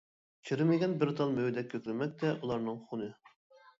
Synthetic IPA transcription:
t͡ʃʰiɾɪmɪɡʲɛnbɪɾt̪ʰɑlˠmøwɪd̪ɛkʲʰːøkʲlɪmɛk̚ʲt̪ʰɛʔulˠɑɾnɨŋχunɨ

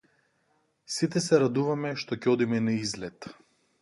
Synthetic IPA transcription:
sit̪ɛsɛɾad̪uvamɛʃt̪ɔcɛɔd̪imɛnaizlɛt̪

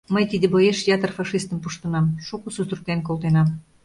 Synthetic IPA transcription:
məjt̪id̪ĕbojeʃjɑt̪ərfɑʃist̪əmpuʃt̪ə̆nɑmʃukususurk̪enkolˠt̪enɑm

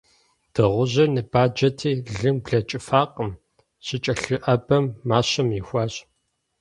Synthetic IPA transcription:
d̥ɨʁʷʊʑɐnɨbaːd͡ʒɐtʰiːɮɨmbɮɐt͡ʃʼɪfaːqʼəm | ɕʼɪt͡ʃʼɐɬɨʔɐbɐmːaːɕɐmixʷɑːɕʼ

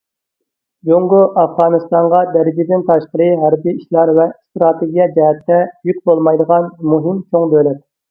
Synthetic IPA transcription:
d͡ʒoŋɡoʔɑfʁɑːnɨst̪ɑɴʁɑd̪ɛɾɪd͡ʒid̪ɪnt̪ʰɑʃqəɾɨɦæɾbiiʃlɑɾvɛst̪ɾɑt̪ʰeɡʲijɛd͡ʒɛɦɛt̪ʰːɛjykʲbolˠmɑjd̪əʁɑnmuɦɪmt͡ʃʰoŋb̪ølɛt̪̚

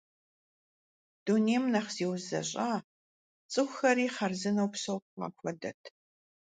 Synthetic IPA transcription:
d̥uneːmnɐχz̥iːwzɐ̰ɕʼaː | t͡sʼɨxʷxɐɾiːχɐrzɨnɐwpsɐwɐ̰xʷɔdɐ̰tʰ

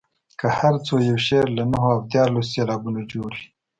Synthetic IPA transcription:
kəhaɾt͡sojawʃeɾlanaɦoawd̪jɑɾlosːelɑbunod͡ʒoɽi

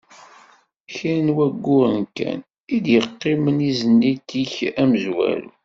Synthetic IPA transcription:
çinwæɡːʊɾənkæ̰n | id̪jəqːɪmənizənːit̪içæməzwæ̰l̰

